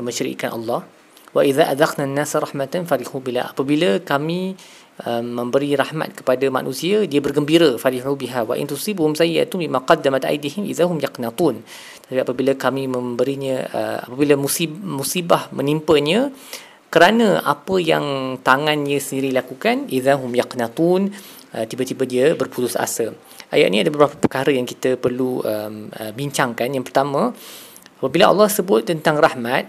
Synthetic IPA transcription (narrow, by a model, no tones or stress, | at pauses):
əmə̃nʃəɾḭkanʔɑ̰lːɑh | waʔiðaʔad̪ɑqnanːasɾˤɑħmat̪anfaɾihubila̰apəbilakamĩ | ʔəmːə̃mbəɾiɾahma̰t̪̚kə̥padama̰nʔũsiadiabərɡəmbiɾəfaɾiɦubiɦawa̰ʔɪ̰nt̪usibhʊmsaja̰t̪umbimaqɑd̪ːamat̪ʔa̰jd̪ihɪmʔḭðaɦʊmjɑqnɑt̪ˤuːn | t̪ət̪apiapəbilakamĩmə̃mbəɾiɲəə̰a̰pabilamusimusibahmə̃nimpəɲə̃ | kəɾanə̃ʔa̰pəjaŋt̪aŋanəsəndiɾilakukanʔiðaɦʊmjaqnat̪ˤuːn | ʔət̪ibat̪ibədiəbərput̪ʊsa̰sə | ʔa̰ja̰ʔnĩadabəbɾapapəkaɾəjaŋkit̪əpərluəməbiɲt͡ʃaŋkanjaŋpərt̪amã | apabilaɑ̰lːɑhsəbʊt̪̚ːənt̪aŋrahmat̪̚